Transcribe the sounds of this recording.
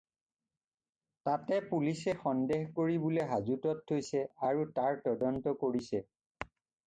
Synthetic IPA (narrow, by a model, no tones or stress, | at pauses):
tatɛpulisɛxɔndexkoɹibulɛɦazutɔt̚ʰːojsɛaɹutaɹtɔdɔntɔkoɹisɛ